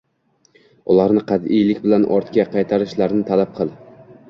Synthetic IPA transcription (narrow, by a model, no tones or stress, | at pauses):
ʊlˠaɾnɪqʰɑd̪ɪjlɪk̚ʲbɪlanʔɒ̰ɾt̪kʲaqʰɑjt̪ʰaɾɪʃlaɾnɪt̪ʰalap̚qʰɨlˠ